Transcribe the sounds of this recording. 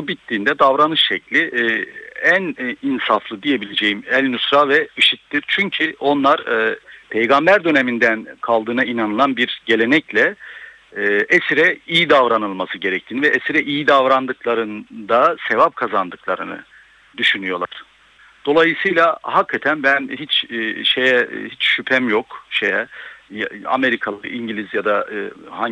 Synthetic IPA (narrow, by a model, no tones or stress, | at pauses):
bubit̪ːiːnd̪ɛd̪avɾanɯʃʃɛclʲiʔ | æninsaflˠɯd̪ije̞bilʲed͡ʒe̞jimɛlʲnysɾavɛɯʃit̪ːiɾt͡ʃʰyɲcʰio̞nlˠaɾpʰe̞jɡambæɾd̪ø̞ne̞mind̪ænkʰalˠd̪ɯːnainanɯlˠanbiɾɟe̞lʲe̞nɛclʲɛː | ʔɛsiɾɛijid̪avɾanɯlˠmasɯɟe̞ɾɛc̚t̪ʰinivɛʔɛsiɾɛʔijid̪avɾand̪ɯklˠaɾɯnd̪ase̞vap̚kʰazand̪ɯklˠaɾɯnɯ̰ | d̪yʃynyjo̞lˠaɾ̥ | d̪̥o̞lˠajɯsɯjlˠahakʰːat̪ʰænbænɦit͡ʃːʃejɛ̰hit͡ʃʃypʰɛmjokʃejɛja̰me̞ɾikʰalˠɯ̰ʔiɲɟilʲizjad̪aha